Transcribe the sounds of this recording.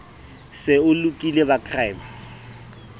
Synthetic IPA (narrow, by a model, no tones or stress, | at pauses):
sɪʊlukʼilebakʰrajma